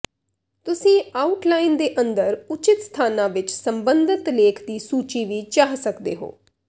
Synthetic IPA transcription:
t̪ʊsĩːaːuʈlaːind̪eːʔənd̪əɾʊt͡ʃɪt̪st̪ʰaːnãːʋɪt͡ʃsəmbənd̪ɪt̪leːkʰd̪iːsuːt͡ʃiːʋiːt͡ʃaːɦsəkd̪eːɦo̰ː

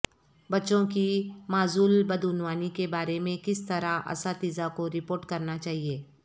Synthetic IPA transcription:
bɐtːʃõkimaːzuːlbɐd̪ʊnwaːnikebaːɾemẽkɪst̪ɐɾaʔɐ̰sat̪iːzakoɾɪpoːɾʈkɐɾnat͡ʃaːɦieː

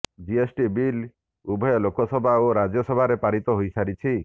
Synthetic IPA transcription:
d͡ʒiesʈibil | ubʱɔjɔlokɔsɔbʱaoɾad͡ʒɔsɔbʱaɾepaɾit̪ɔɦojsaɾit͡ʃʰi

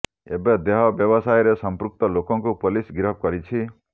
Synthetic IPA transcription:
ḛbed̪eɦɔbjɔbɔsajɾesɔmpɾuk̚t̪ɔlokɔŋkupolisɡiɾɔp̚kɔɾit͡ʃʰi

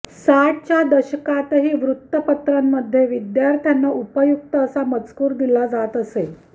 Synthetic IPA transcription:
saʈ̚t͡ɕjad̪əɕəkat̪ɦiːʋɾut̪ːəpət̪ɾəmːəd̪ʱːjeʋid̪jaɾt̪ʰjanːaʔupəjuk̚t̪əːsamət͡skuːɾd̪ilad͡zat̪əse

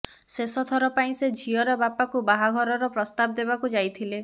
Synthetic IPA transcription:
sesɔt̪ʰɔɾɔpaĩsed͡ʒʱiɔɾɔbapakubaɦaɡʱɔɾɔɾɔpɾɔst̪ab̚d̪ebakud͡ʒajt̪ʰile

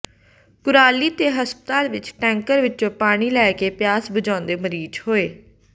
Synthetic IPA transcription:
kʊɾaːliːt̪eːɦəspət̪aːlʋɪt͡ʃʈɛ̃ːŋkəɾʋɪt͡ʃõːpaːɽ̃iːlɛːkeːpɪjaːsbəd͡ʒãːnd̪eːməɾiːd͡ʒhoːeː

